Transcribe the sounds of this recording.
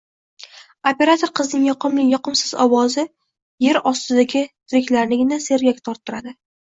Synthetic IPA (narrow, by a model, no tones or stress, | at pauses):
opʲe̞ɾat̪ʰoɾqʰɨznɪŋjɒqʰɨmlɪjɒqɨmsɪzɒwɒzɪ | je̞ɾɒst̪ɪd̪aɡʲɪt̪ʰʊɾɪkʲlaɾnɪɡʲɪnase̞ɾɡʲakʲt̪ʰɒɾt̪ːɪɾad̪ɪ